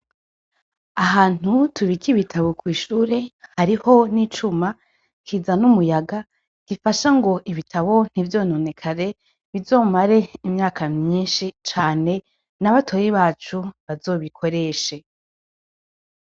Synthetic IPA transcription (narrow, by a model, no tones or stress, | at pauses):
aɦaːn̥utʰuɾikiβitʰaβo̞kwiːʃuːɾe̞haɾiho̞nit͡ʃuma | kʰiːzanumujaɡa | ɡ̥ifaʃaŋɡo̞ʔiβitʰaβo̞n̥ivjo̞ːno̞ne̞kʰaɾe̞ | βivzo̞ːmaɾe̞imɲaːkʰamɲiːnʃit͡ʃaːne̞ | naβatʰoːjiβaːt͡ʃuβazo̞ːβikʰo̞ɾe̞ːʃe